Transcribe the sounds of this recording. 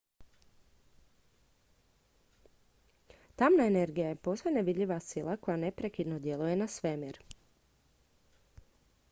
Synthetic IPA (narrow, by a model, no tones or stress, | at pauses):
t̪amnaene̞ɾɡijaje̞po̞ːsojneʋid̪ʎʲiʋasilˠako̞jane̞pɾekid̪nod̪je̞luje̞nasʋemiɾ